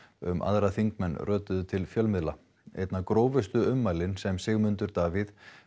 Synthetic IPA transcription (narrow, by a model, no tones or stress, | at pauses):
ʏ̰mʔa̰ðɾaθiŋkmɛnːrʔœːt̪ʏðʏt̪ʰɪlfjœlmɪðla | ḛjt̪nakɾoːwvɪst̪ʏʏmːajlɪnsɛmsɪɣmʏnt̪ʏɾt̪aːvɪð